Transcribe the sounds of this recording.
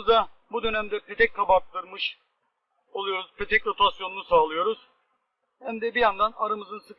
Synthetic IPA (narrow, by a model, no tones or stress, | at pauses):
zabud̪ø̞nɛmd̪ɛpʰet̪ʰɛc̚k̪ʰabat̪̚lˠɯɾmɯʃ | olˠujo̞ɾuz̥pʰet̪ʰɛcɾot̪ʰasjo̞nunusaːlˠɯjo̞ɾuz̥ | hæmd̪ɛbijand̪anaɾamɯzɯnsɯk